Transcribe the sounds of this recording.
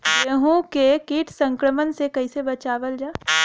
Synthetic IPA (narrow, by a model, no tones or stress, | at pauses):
jeɦũkekiːʈʰsɐ̃ŋkɾəmənsekɐisebɐt͡ʃaːʋəld͡ʒaː